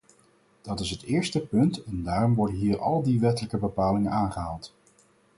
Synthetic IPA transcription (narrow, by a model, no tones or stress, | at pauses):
d̥ɑtɪsɦətɪːɹstəpɵntɛndaːrɔmʋɔɹdənɦiːɹɑ̰lˠdiʋɛtələkəbəpaːlɪŋənaːnχəɦaːlˠt